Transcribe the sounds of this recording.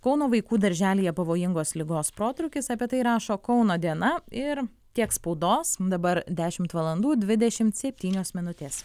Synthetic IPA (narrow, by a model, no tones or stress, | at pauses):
kɒʊnoːʋɐɪkuːd̪ɐɾʲʒʲæːlʲiːjɛpɐʋoːjɪŋɡoːslʲɪɡoːspɾoːt̪ɾʊkʲɪsɑpʲiɛt̪ɐɪɾɑːʃoːkɒʊnoːd̪ʲiɛnɐɪɾ | t̪ʲiɛkspɔʊd̪oːsd̪ɐbɐɾd̪ʲæːʃʲɪmt̪ʋɐlˠɐnd̪uːd̪ʲʋʲɪd̪ʲɛʃʲɪmt̪sʲɛpʲt̪ʲiːnʲoːsmʲɪnʊt̪ʲeːs